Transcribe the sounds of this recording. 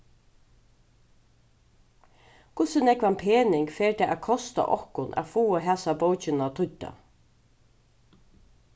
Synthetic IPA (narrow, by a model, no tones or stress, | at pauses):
kʰʊsɪnɛkʋanpʰeːnɪŋkfeːɹt̪ʰaːʔækʰɔst̪a̰ʔɔ̰hkʊnʔæ̰fuːəɦæːsabowt͡ʃɪnat̪ʰʊt̪ːa̰